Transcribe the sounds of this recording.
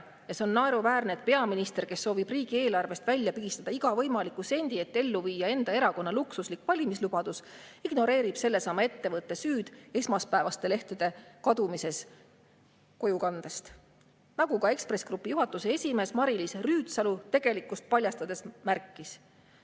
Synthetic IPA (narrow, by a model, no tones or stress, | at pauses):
jɑseo̞nːɑeɾuvæːrned̪̥̚pe̞ɑminist̪e̞rke̞sːo̞ːvib̥riːɡ̥ie̞ːlɑrve̞st̪vælʲːjɑpiɡist̪ɑd̪̥ɑiɡ̥ɑvɤ̞jmɑlikːˑuse̞nʲd̪̥ie̞t̪ːˑe̞lːuviːjɑe̞nd̪̥ɑe̞ɾɑko̞nːɑluksuslikːˑvɑlʲimislub̥ɑd̪̥us | iɡ̥no̞ɾe̞ːɾib̥se̞lːe̞sɑmːɑe̞t̪ːe̞vɤt̪ːˑe̞syːd̪̥e̞smɑspæevɑst̪e̞le̞ht̪ud̪̥e̞kɑd̪̥umise̞s | ko̞jukɑnd̪̥est̪ | nɑɡ̥ukɑe̞kspre̞sɡ̥rupːˑijuɦɑt̪ːˑuseesʲime̞ːsmɑɾilisryːt̪sɑlut̪e̞ɡ̥e̞likːˑust̪̚pɑlʲjɑst̪ɑd̪̥e̞smærkˑːis